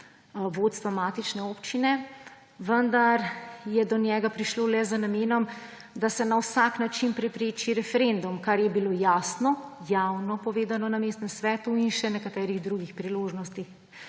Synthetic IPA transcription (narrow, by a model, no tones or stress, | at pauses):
ʋoːt̪st̪ʋamaːt̪it͡ʃnɛoːpt͡ʃinɛ | ʋənd̪aɾjɛd̪ɔnjɛɡapɾiʃloːlɛzənameːnɔm | d̪asɛnawsaknat͡ʃinpɾɛpɾeːt͡ʃiɾɛfɛɾend̪umkaɾjɛbilojaːsnɔjawnɔpɔʋeːd̪anɔnameːst̪nɛmsʋɛːt̪uinʃɛnɛkat̪ɛːɾiɣd̪ɾuɡixpɾiloːʒnɔst̪ix